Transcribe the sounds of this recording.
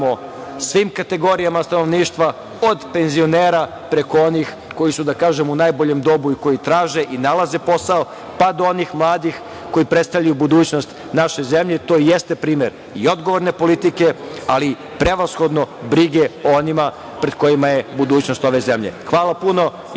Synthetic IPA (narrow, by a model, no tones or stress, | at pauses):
osʋiːmkat̪e̞ɡo̞ɾijamast̪ano̞ʋniːʃt̪ʋa | od̪pe̞nzio̞neːɾa | pɾe̞ko̞o̞nix | ko̞jisud̪akaːʒemunaːjbo̞ʎemd̪o̞buiko̞jit̪ɾaːʒe̞ʔinalaze̞po̞sao | pad̪oo̞niːxmlˠaːd̪ix | ko̞jipɾest̪aʋlʎajubud̪uːt͡ɕno̞st̪ | naʃe̞ze̞mʎe̞t̪o̞ːjest̪e̞pɾiːme̞ɾ | io̞d̪ɡoʋo̞ɾne̞po̞lit̪ike̞ali | pɾe̞ʋasxo̞d̪nobɾiɡeoonima | pɾe̞d̪̥̚ko̞jimajebud̪uːt͡ɕnost̪o̞ʋe̞ze̞mʎe̞̰xʋaːlapuno̞